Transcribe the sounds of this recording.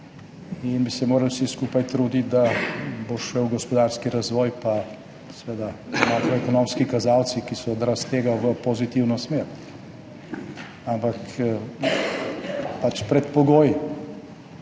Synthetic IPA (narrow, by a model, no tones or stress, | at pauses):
inbisɛmoːɾɐlwsiskuːpajt̪ɾud̪it̪̚d̪aboʃɛwɡɔspɔd̪aːɾskiɾazʋɔːjpa | sɛʋeːd̪amakɾɔɛkɔnomskikazawt̪sikisɔːd̪ɾast̪eːɡaʋəpɔzit̪iwnɔsmeɾ | ampak | pat͡ʃpɾɛt̪pɔɡoːj